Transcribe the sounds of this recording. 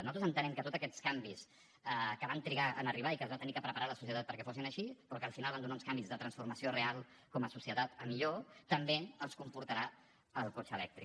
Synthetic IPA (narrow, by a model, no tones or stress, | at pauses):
nuat̪ɾzənt̪ənɛmkət̪ot̪zəkɛt̪skambis | əkəβant̪ɾiɣaʔə̰nəriβ̞aikəzβat̪ənikəpɾəpəɾaləsusiət̪at̪pəɾkɛfosinəʃipɾɔkəːlˠfinalˠand̪unaunskambizðət̪ɾənsfuɾməsiorealˠ | kɔməsusiət̪at̪əmiʎot̪əmbeəlˠskumpuɾt̪əɾa | əlˠkot͡ʃəlɛk̚t̪ɾi